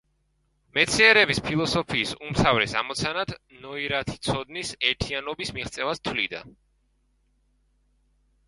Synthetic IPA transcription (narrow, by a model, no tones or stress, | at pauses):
mɛt̪sʰiɛɾɛbispʰilˠɔsɔpʰiːsumt̪ʰavɾɛsa̰mɔt̪sʰanad̪̥nɔiɾat̪ʰi̥t̪sʰɔd̪nisɛɾt̪ʰianɔbismiχt̪sʼɛvast̪ʰwlid̪a̰